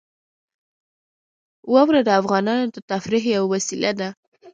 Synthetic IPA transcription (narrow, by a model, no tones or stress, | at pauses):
wawɾad̪əafɣɑnɑnod̪ət̪afɾiɦawwasilʔad̪a